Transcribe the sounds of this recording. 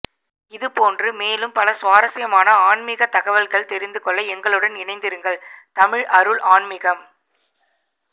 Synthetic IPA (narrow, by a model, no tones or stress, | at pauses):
ɪðɯpoːndrɯmeːlɯmpɐlɐsʋaːɾɐsɐjɐmaːnɐaːɳmɪɣɐt̪ɐɣɐʋɐlɣɐɭt̪ɛɾɪnd̪ɯkɔɭːɐɛŋɡɐɭɯɽɐnɪnɐɪnd̪ɪɾɯŋɡɐɭt̪ɐmɪɻʔɐɾɯɭʔaːɳmɪɣɐm